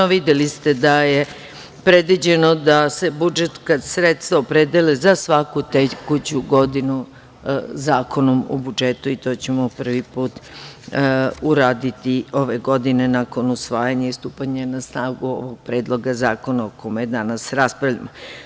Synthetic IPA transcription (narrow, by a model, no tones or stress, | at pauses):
oʋid̪elist̪e̞d̪aje̞ | pɾe̞d̪ʋid͡ʑe̞nod̪ase̞bud͡ʒet̪kasɾet̪st̪vaopɾed̪elezasʋakut̪ekut͡ɕuɡo̞d̪inu | zaːko̞no̞mo̰bud͡ʒet̪uit̪o̞ːt͡ɕe̞mopr̩ʋipuːt̪ | uɾaːd̪it̪io̞ʋe̞ɡo̞d̪ine̞nako̞nusʋaːjaɲaist̪uːpaɲanasnaːʋɡuo̰ʋoɡ̚pɾe̞ːd̪lˠo̞ɡazaːko̞naokomejed̪anasɾaspɾaʋʎʲa̰mo